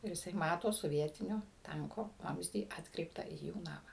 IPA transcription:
ɪr jɪˈsɐɪ ˈmɑːtoː soːˈʋʲiɛtʲɪnʲoː ˈtɐŋkoː ˈʋɐmʲzʲdʲiː ˈɑːtkrʲɛɪptɑː iː ˈjuː ˈnɑːmɑː

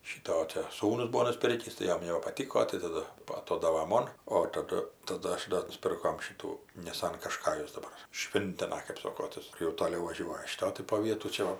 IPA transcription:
ʃʲiːˈtoː oː ˈtʲɛ ˈsuːnʊs ˈbuɔ nʊˈsʲpʲɪrʲkʲiːs tɐɪ ˈjoːm jɛʊ nʲɛbɐpɐˈtʲɪkoː tɐɪ tɐˈdʊ ɐˈtoːdɐʋɐ ˈmoːn oː tɐˈdʊ tɐˈdʊ ˈɐʃ doː nʊˈsʲpʲɪrkoːm ˈʃʲɪtuː nʲɪˈsɐn kɐʃˈkɑːjʊs dɐˈbɐr ˈʃʲʋʲɪnʲtʲɪnɐ kɜp ˈsoːkoː ˈtɐs jɛʊ toːˈlʲɛʊ ʋɐˈʒʲuɔjɛ ʃʲɪˈtoː tɐɪ poː ˈʋʲiɛtuː ˈt͡ʃʲɛ ʋɐ

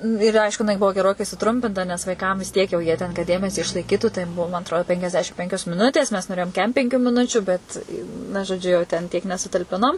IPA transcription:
ɪr ˈɐɪʃkʊ jɪˈnɐɪ ˈbʊʋoː ɡʲɛˈroːkɐɪ sʊˈtrʊmʲpʲɪntɐ nʲɛs ˈʋɐɪˈkɐm ʋʲɪs ˈtʲiɛk jɛʊ ˈjiɛ tʲɛn kɐt ˈdʲeːmʲɛsʲiː ɪʃlˠɐɪˈkʲiːtuː tɐɪ ˈmʊm ɐtˈroːdʲɪ pʲɛŋʲkʲɛzʲˈdʲæːʃʲɪm ˈpʲɛŋʲkʲoːs mʲɪˈnʊtʲeːs mʲɛs noːˈrʲeːjoːm ˈkʲɛm pʲɛŋʲˈkʲuː mʲɪˈnʊt͡ʃʲʊ ˈbʲɛt nɐ ʒoːˈd͡ʒʲʊ jɛʊ tʲɛn tʲiɛk nʲɛsʊtɐlʲˈpʲɪnoːm

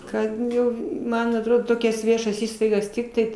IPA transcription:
ˈkɐt ˈjɛʊ ˈmɐn ɐtˈroːdoː ˈtoːkʲɛs ˈʋʲiɛʃɐs ˈiːstɐɪɡɐs ˈtʲɪktɐɪ

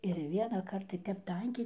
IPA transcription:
ɪr ʋʲiɛnɑːˈkɐrt tɐɪ ˈtʲɛp ˈtɐŋʲkʲɛɪ

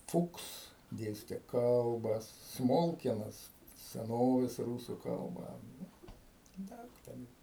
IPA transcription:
ˈfʊks ˈdʲeːsʲtʲɛ ˈkɐlˠbɐs ˈsmoːlʲkʲiɛnɐs sʲɛˈnoːʋʲeːs ˈruːsʊ ˈkɐlˠbɐ ˈdɐʊk ˈtʲɛn

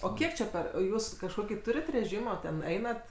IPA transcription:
oː ˈkʲiɛk t͡ʃʲɛ ˈpʲɛr oː ˈjuːs kɐʃˈkoːkʲiː ˈtuːrʲɪt rʲɛˈʒʲiːmoː tʲɛn ˈɛɪnɐt

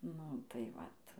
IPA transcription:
ˈnʊ tɐɪ ˈʋɐt

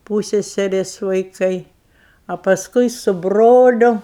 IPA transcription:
ˈpuːsʲsʲɛsʲɛrʲeːs ʋɐɪˈkɐɪ ɐ pɐsˈkʊɪ sʊ ˈbroːlʲʊ

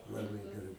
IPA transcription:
lˠɐˈbɐɪ ɡʲɛˈrɐɪ

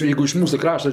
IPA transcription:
ˈjɛɪɡʊ ɪʃ ˈmuːsʊ ˈkrɑːʃtɐ

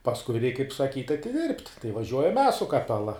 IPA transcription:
pɐsˈkʊɪ rʲɛɪk kɐɪp sɐˈkʲiːtʲ ɐtʲɪˈdʲɪrʲpʲtʲ tɐɪ ʋɐˈʒʲuɔjɛm mʲɛs sʊ kɐˈpʲæːlˠɐ

